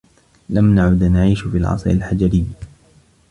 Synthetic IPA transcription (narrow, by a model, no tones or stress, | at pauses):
lamnaʕʊd̪naʕiːʃfiːlʕɑ̰sˤɾa̰lħad͡ʒaɾɪjː